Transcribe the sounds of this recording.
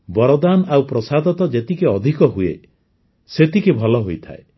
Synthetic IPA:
bɔɾɔd̪anawpɾɔsad̪ɔt̪ɔd͡ʒet̪ikeɔd̪ʱikɔɦuḛ | set̪ikebʱɔlɔɦojt̪ʰa̰e

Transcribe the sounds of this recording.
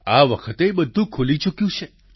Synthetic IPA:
aʋəkʰət̪ebəd̪ʱːũkʰulit͡ʃukjũt͡ʃʰe

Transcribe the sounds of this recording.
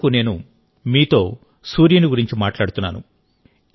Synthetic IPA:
kune̞ːnu | miːt̪o̞ː | suːɾjɐniɡuɾiɲt͡ʃimaːʈlaːɽut̪unːa̰ːnṵ

